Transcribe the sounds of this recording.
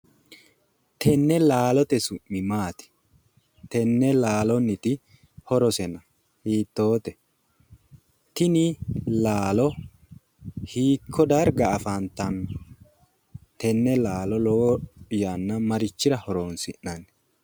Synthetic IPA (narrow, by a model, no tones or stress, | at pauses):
t̪ʰɛnːɛlaːlɔt̪ɛsʊmːɪmaːt̪ɪ̥ | t̪ɛnːɛlaːlɔnɪt̪ɪ | hɔɾɔsɛnɐ | hiːt̪ːo̞ːt̪ɛ | t̪ɪnɪlaːlɔ | hiːkʰːɔd̪ɐɾɡɐːfant̪ɐn | t̪ɛnːɛlaːlɔloːɪjanːɐmɐɾɪt͡ʃːɪɾɐhɔɾoːnsɪnːɐn